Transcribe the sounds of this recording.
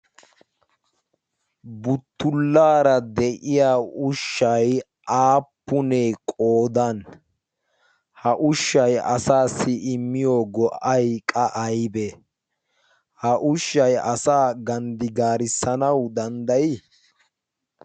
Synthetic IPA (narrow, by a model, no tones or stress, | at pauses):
bʊt̪ːʊlːaːɾɐd̪ɛʔɪjaːʊʃːɐj | ʔaːpːʊnekʼoːd̪ɐn | hɐʔʊʃːɐjɐsaːsɪɪmːɪjoːɡɔʔɐjkʼɐʔɐjbɛ | hɐʔʊʃːɐjɐsaːɡɐnd̪ɪɡaːɾɪsːɐnɐwd̪ɐnd̪ɐjɪ